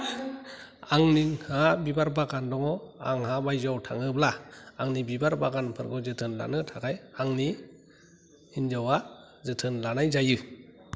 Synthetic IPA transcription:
aŋniŋhabibaɾbaɡandɔŋɔa̰ŋhabajzawtʰaŋɯblaaŋnibibaɾbaɡanpʰɯɾɡɔzɯtʰɯnla̰nɯtʰaɡajaŋni | inzawa | zɯtʰɯnlanajzajɯ

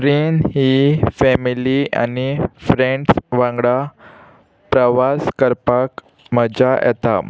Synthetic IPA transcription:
ɾiːnɦifɛmilia̰nifɾeɳɖsʋãŋɡɽa | pɾəʋaskəɾpak | məd͡ʑajɛ̰t̪a

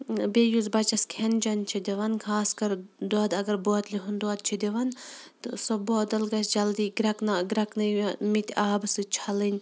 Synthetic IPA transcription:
bejuzbɐt͡ʃɐskʰend͡ʒɐnt͡ʃʰid̪ʲiʋɐnkʰaːskɐɾd̪ɔːd̪ɐɡɐɾboɐt̪lʲiɦund̪uɐt̪̚t͡ʃʰid̪iʋɐnt̪sɔboːd̪ɐlɡɐsd͡ʒɐld̪iːɡɾɐknɐɡɾɐknɐmit̪ʲaːbɨsɨt͡ʃʰɐlɨnʲ

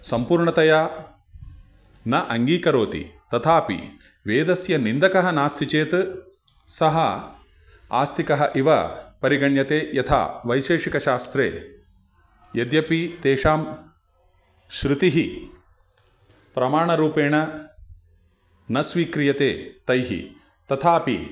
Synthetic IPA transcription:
sɐmpuːɾɳɐt̪ɐjaː | nɐʔɐŋɡiːkɐɾoːt̪ḭt̪ɐt̪ʰaːpḭ | ʋeːd̪ɐsjɐnind̪ɐkɐɦɐnaːst̪ʰit͡ʃeːt̪ | sɐɦɐ | a̰ːst̪ʰikɐɦɐʔiʋɐ̰pɐɾiɡɐɳjɐt̪eːjɐt̪ʰa̰ːʋɐjʃeːʂikɐʃaːst̪ɾḛː | jɐd̪jɐpit̪eːʂaːm | ʃɾɪt̪iɦi | pɾɐmaːɳɐɾuːpeːɳɐ | nɐsʋiːkɾijɐt̪ḛːt̪ɐjɦḭ | t̪ɐt̪ʰaːpḭ

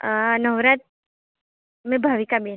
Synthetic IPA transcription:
nəwɾat̪̚ | mẽbʱaʋikabi

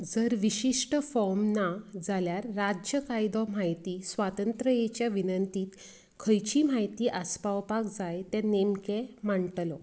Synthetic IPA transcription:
d͡zəɾʋiɕiʂʈəfɔɾmnad͡zaljaɾːad͡ʑəkajd̪ɔm̤ajt̪iːsʋat̪ənt̪ɾəjet͡ɕjaʋinənt̪iːt̪ | kʰəjt͡ɕiːm̤ajt̪iːʔaspawpakd͡zajt̪ɛ̃nemkemaɳʈlɔ

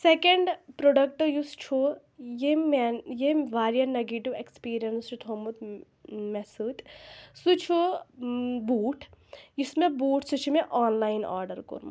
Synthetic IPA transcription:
sekeɳɖpɾoɖɐk̚ʈojust͡ʃʰu | jemenjeʋaːɾijɐnɐɡiʈiʋekspiːɾijɐnst͡ʃʰut̪ʰomut̪ | mɛsɨt̪sut͡ʃʰu | buːʈʰjusmebuːʈʰsut͡ʃʰumeʔaːnlaːjna̰ːɾɖɐɾko̰ɾm̰

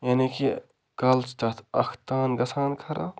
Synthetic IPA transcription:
janiki | kɐlt͡ʃt̪ɐt̪ʰɐkʰt̪aːnɡɐsʰaːnkʰɐɾa

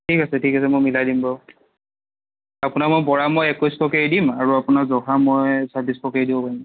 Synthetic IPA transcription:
tʰikasɛtʰikasɛmojmiladimbaw | apʊnakmojbɔɹamojɛkɔjstɔkedimaɹuapʊnazɔɦamojsabistɔkɛdibɔpaɹim

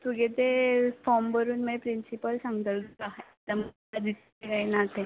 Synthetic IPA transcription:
t̪uɡet̪efɔɾmbəɾuːnmpɾinsipəlsãŋɡd̪əlkaɦet̪əm | ad̪it̪ | eɡainat̪e

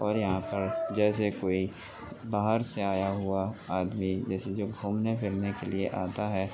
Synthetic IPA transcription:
ɔːɾjɐɦãpɐɾd͡ʒɛːs̬ekoːi | baːɦəɾseaːjaɦʊaaːd̪mid͡ʒɛːsed͡ʒoːɡʱuːmnepʰɪɾnekelieʔaːt̪aɦɛː

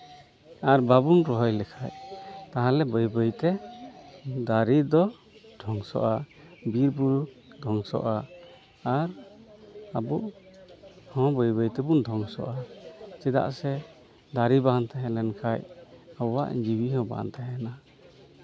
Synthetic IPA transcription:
aɾbabunɾɔɦɔjlɛkʰajt̪aɦãlɛbəjbəjt̪ɛ | d̪aɾid̪ɔ | d̪ʱɔŋsɔ̰ʔabiɾbuɾu | d̪ʱɔŋsɔ̰ʔaː | ɾ | abuʔ | hɔ̃bəjbəjt̪ɛbund̪ʱɔŋsɔ̰ʔat͡ʃɛd̪a̰ʔsɛ | d̪aɾibant̪aɦɛlɛnkʰajawa̰ʔd͡ʒiwiɦɔ̃ba̰nt̪aɦɛna

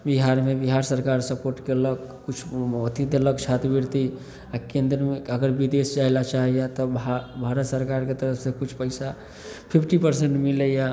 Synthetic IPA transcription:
biɦaɾmebiɦaɾsəɾkaɾsəpoɾʈkeləɡ | ut͡ʃʰːt̪it̪ləɡt͡ʃʰat̪biɾt̪i | akẽnd̪ɾəmeəɡəɾbid̪esd͡ʒaɦelat͡ʃaɦijat̪ɔbbʱaɾət̪səɾkaɾket̪əɾəpʰsekut͡ʃʰpəɪsa | pʰipʰʈipəɾseɳʈmiləja

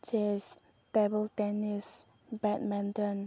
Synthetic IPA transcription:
d͡ʒɛs | t̪ɛbəlt̪ɛnis | bɛt̚mɛ̃nt̪ə̃n

